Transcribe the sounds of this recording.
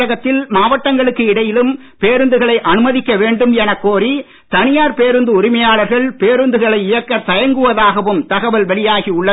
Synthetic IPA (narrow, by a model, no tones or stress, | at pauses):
ɐɣɐt̪ːɪlmaːʋɐʈːɐŋɡɐɭɯkːɯɪɽɐjɪlɯm | peːɾɯnd̪ɯɣɐɭɐɪʔɐnɯmɐðɪkːɐʋeːɳɖɯmɛnɐkːoːɾi | t̪ɐnɪjaːɾpeːɾɯnd̪ɯʊɾɪmɐjaːɭɐɾɣɐɭpeːɾɯnd̪ɯɣɐɭɐɪɪjɐkːɐt̪ɐjɐŋɡɯʋɐðaːɣɐʋɯmt̪ɐɣɐʋɐlʋɐɭɪjaːɣiʊɭːɐ